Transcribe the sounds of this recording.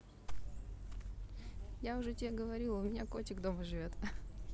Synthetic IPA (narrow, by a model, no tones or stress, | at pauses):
jaʊʐɛtʲɪeɡəvɐɾʲilˠʊmʲɪnʲakot͡ɕʲɪkd̪oməʐɨvʲo̞t̪